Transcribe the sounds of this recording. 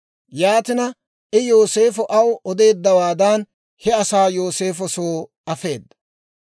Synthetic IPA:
jaːt̪ɪnɐ | ʔɪjo̞ːse̞ːfɔʔɐwɔd̪e̞ːd̪ːɐwaːd̪ɐn | hɛɐsaːjo̞ːse̞ːfɔsoː | ɐfe̞ːd̪ːɐ̥

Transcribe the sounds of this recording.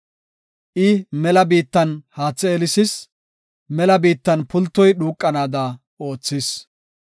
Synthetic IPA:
ʔɪmɛlɐbiːt̪ːɐnhaːt͡sːɛːlɪsɪs | mɛlɐbiːt̪ːɐnpʊlt̪ːɔjɗuːkʼːɐnaːd̪ɐ | o̞ːt͡sːɪs

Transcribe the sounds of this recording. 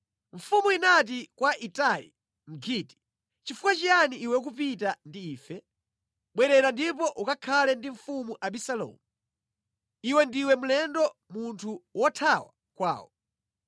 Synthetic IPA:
ɱ̩fumuinat̬ikwaʔitalḭ | m̩ɡʰiti̥ | t͡ʃifukwat͡ʃijaniːwɛk̬up̬itandiːfɛ | ɓwɛɾɛɾandipɔʔukakʰalɛndiɱ̩fumuʔaɓisalɔ̰mu | iwɛndiwɛm̩lɛndɔmuntʰuwɔtʰawa | kwa̰ːwɔ

